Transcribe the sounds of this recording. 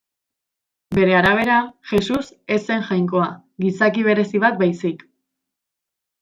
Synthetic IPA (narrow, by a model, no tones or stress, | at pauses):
be̞ɾe̞aɾaβ̞e̞ɾaʝe̞suse̞se̞ŋʝajŋko̞aɣisakiβ̞e̞ɾe̞siβ̞at̪̚bajsik